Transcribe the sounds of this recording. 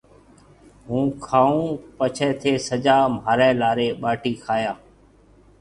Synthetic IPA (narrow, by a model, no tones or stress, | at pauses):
ɦũːkʰaːũːpət͡ʃʰɛ̃ːt̪ʰeːsəd͡ʒaːmaːɾɛ̃ːlaːɾeːɓaːʈiːkʰaːjaː